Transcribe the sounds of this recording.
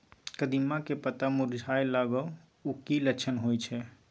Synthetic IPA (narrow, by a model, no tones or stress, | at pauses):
kəd̪imːakepət̪amuɾd͡ʒʱajlaɡə | ukiləkt͡ʃʰənɦojt͡ʃʰɛ